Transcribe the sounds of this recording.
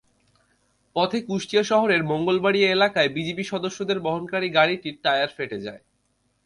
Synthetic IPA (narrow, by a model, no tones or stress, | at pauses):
pɔt̪ʰekuʃʈijaʃɔɦoɾeɾmɔŋɡolbaɽieelakaebid͡ʑepiʃɔd̪oʃːod̪eɾbɔɦonkaɾiɡaɽiʈiɾʈajaɾfeʈed͡ʑa̰e